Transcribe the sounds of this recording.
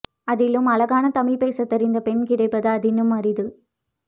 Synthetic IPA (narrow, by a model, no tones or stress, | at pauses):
ɐðɪlɯmɐlɐɣaːnɐt̪ɐmɪlpeːsɐt̪ːɐɾɪnd̪ɐpɛnkɪɽɐɪpːɐðɐɐðɪnɯmɐɾɪðɯ